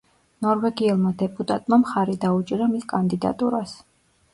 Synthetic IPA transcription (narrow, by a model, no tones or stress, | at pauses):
nɔɾvɛɡiɛlˠmad̪ɛpʼut̪ʼat̪ʼmamχaɾid̪aut͡ʃʼiɾamiskʼand̪id̪a̰t̪ʼuɾas